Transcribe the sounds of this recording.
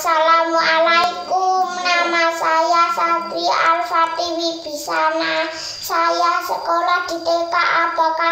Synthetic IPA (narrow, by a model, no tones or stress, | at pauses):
salamualaikumnamasajasad̪ɾia̰lfat̪iwib̥i̤sana | sajasəkolɔd̪̥i̤t̪ekaʔapɔka